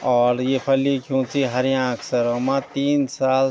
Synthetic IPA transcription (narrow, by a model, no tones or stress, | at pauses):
ɔːɾjepʰəlikʰjũːt͡ʃiɦəɾjãksəɾomãt̪iːnsaːl